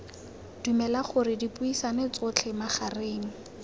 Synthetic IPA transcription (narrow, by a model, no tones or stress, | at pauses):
d̥umɛlaχʊrɪdipʼuisanet͡sʊt͡ɬʰɛmaχareːŋ̩